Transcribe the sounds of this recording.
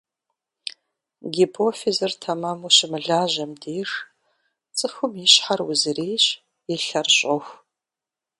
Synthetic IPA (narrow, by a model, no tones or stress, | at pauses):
ɡʲipʰoːfezɨrtʰɐmaːmuʃɪmɨɮaːʑɐmdiːʂ | t͡sʼɨxʊmiɕħarwʊzɨreːɕ | ɪɬɐrɕʼɐxʷ